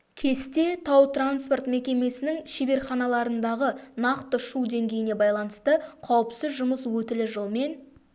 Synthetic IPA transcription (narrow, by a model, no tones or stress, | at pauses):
kʲʰe̞st̪e̞t̪ʰɑwt̪ranspo̞rt̪me̞kʲe̞me̞sɪnɪŋʃebe̞ɾχɑnɑlˠɑɾənd̪ɑʁənɑqt̪əʃud̪e̞ŋɡʲe̞jɪne̞bɑjlˠɑnəst̪əqʰɑwəpsəzʒʊməswɵt̪ɪlɪʒəlˠme̞n